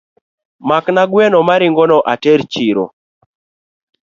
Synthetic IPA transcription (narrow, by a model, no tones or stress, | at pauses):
maknaɡwɛnɔmaɾɪŋɡɔnɔʔatɛɾt͡ʃiɾo̰